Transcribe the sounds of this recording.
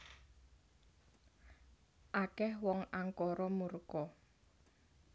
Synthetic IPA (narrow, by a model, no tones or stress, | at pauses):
ʔakɛhwɔŋaŋkɔɾɔmurkɔ